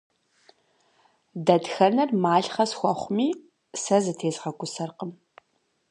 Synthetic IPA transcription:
dɐdxɐnɐrmaːɬχɐsxʷɔχʷʊmiː | sɐzɨtʰeːzʁɐɡʷʼʊsɐrqəm

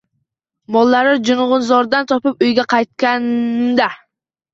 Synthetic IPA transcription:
mɔlˠːaɾɪd͡ʒunʁʊnzɒɾd̪ɑnt̪ʰɒpɨpyjɡʲɛqʰɑjt̪̚kʲɛnmd̪æ

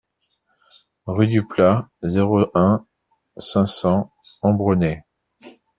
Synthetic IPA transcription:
ʁyd̪yplazeʁoʔɛ̃ | sɛ̃sɑ̃ | ɑ̃bʁənɛ

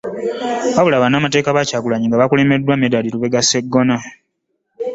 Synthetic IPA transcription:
βaβulaβanaːmate̞ːkaβacaːɡulaɲiŋɡaβakule̞ːme̞dːwamedaliɾuβe̞ɡase̞ɡːo̞na

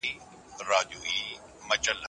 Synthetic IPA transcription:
i | ɾaːʄuːiː | mɐt͡ʃəl

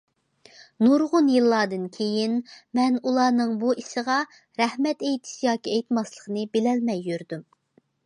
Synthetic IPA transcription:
nuɾʁʊnjɨlˠːɑːd̪ɨnkʲʰejinmɛnulˠɑːnɨŋbuiʃəʁɑ | ɾɛhmɛt̪ejt̪ʰɪ̥ʃijɑːkʲiɛjt̪mɑslˠəχnɨbelɛlmɛjːøɾd̪ym

